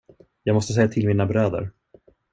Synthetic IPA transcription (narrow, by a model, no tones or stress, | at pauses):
jɑːɡmɔst̪əs̬ɛjːat̪ʰɪlmiːnabɾøːd̪ə̰ɾ